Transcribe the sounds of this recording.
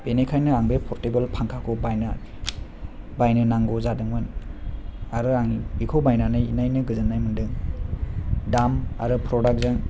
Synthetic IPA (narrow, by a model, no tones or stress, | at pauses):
b̥enekʰajnɯaŋbepʰɔɾtebelpʰaŋkʰakʰɔbajna | bajnɯnaŋɡɔzadɯŋmɯn | aɾɯaŋiikʰowbajnanɯjinajnɯɡɯzɯnːajmɯndɯŋ | dama̰ɾɯpʰɾɔdak̚zɯŋ